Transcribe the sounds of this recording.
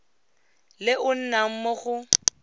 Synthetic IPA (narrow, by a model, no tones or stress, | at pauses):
lɪʊn̩nam̩mɔχʊ